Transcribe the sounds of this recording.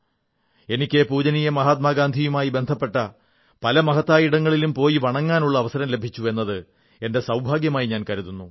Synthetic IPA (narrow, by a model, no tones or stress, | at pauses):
e̞nikʲːepuːd͡ʑɐnijɐmɐɦaːt̪̚maːɡaːnd̪ʱijumaːjibe̞nd̪ʱɐpːe̞ʈːɐ | pɐlɐmɐɦɐt̪ːaːjiɽɐŋːɐɭilumpo̞ːjiʋɐɳɐŋːaːnuɭːɐːʋɐsɐɾɐmle̞bʱit͡ɕːue̞nːɐðɨ | e̞nde̞sɐwbʱaːɡjɐmaːjiɲaːnkɐɾuðunːu